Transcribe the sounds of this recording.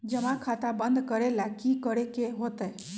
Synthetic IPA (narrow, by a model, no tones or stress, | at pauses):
d͡ʒəmãkʰat̪abə̃nd̪ʱkəɾelakikəɾekeɦot̪e